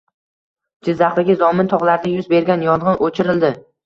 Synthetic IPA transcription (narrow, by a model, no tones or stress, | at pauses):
d͡ʒɪzːaχlɪɡʲɪzɒmɪnt̪ʰɒʁlˠaɾd̪ajʊzbe̞ɾɡʲanjɒnʁɒnʔot͡ʃʰɪɾɪld̪ɪ